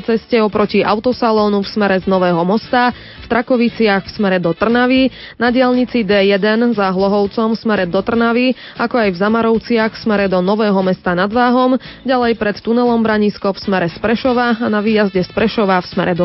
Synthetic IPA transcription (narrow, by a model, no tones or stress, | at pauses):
t͡sɛscɛɔpɾɔciʔa̰ʊt̪ɔsalɔːnufsmɛɾɛznɔʋɛːɦɔmɔst̪a | ft̪ɾʔakɔʋit͡sɪaxfsmɛɾɛd̪ɔt̪r̩naʋi | naɟɪaʎɲit͡sid̪ɛːjɛd̪ɛnzaɦlˠɔɦɔʊt͡sɔmfsmɛɾɛd̪ɔt̪r̩naʋi | akɔajvzamaɾɔʊt͡sɪaxfsmɛɾɛd̪ɔnɔʋɛːɦɔmɛst̪anad̪ʋaːɦɔmɟalɛjpɾɛt̪ːunɛlɔmbɾaɲiskɔfsmɛɾɛspɾɛʃɔʋaanaʋiːjazɟɛspɾɛʃɔʋafsmɛɾɛd̪ɔ